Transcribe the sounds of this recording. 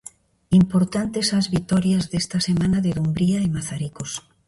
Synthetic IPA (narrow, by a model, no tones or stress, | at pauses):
impoɾt̪ant̪esazβit̪ɔɾjazðest̪asemãnaðeðumbɾiaemaθaɾikos